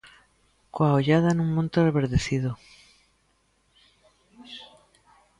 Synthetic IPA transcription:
kwaoʎaðanũŋmõnt̪oreβeɾðeθiðo

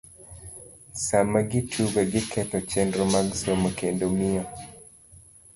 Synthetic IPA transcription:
samaɡɪtʰuɡaɡɪkʰɛtɔt͡ʃendɾomaɡsomokendomɪɔ

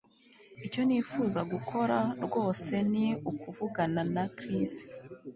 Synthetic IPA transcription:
ico̞niːfuːzaɡukʰo̞ɾaɾɡo̞ːse̞niukuvuɡananakɾisi̥

